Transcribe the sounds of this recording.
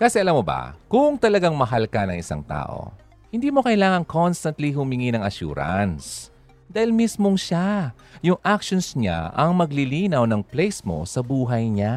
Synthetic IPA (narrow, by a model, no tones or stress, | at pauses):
kɐsɛʔɐlamːoba̰kʊŋt̪ɐlɐɡaŋmɐɦalkɐnɐŋɪsa̰ŋt̪a̰ːʔo̰ | hɪnd̪iːmo̞kɐʔjlaːŋɐŋkʰonst̪ɐnt̪lihʊmɪŋinɐŋɐʃṵːɾɐ̰ns | d̪aːhɪlmismoŋʃa | jʊŋʔakʃonsɲa̰ɐŋmɐɡlɪliːnɐwnɐŋplejsmo̞̰sɐbuːɦɐjɲa